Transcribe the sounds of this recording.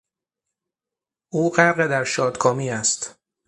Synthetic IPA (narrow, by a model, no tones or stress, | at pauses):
ʔuːɢæɾɣed̪æɾʃɒːd̪kʰɒːmiːæst̪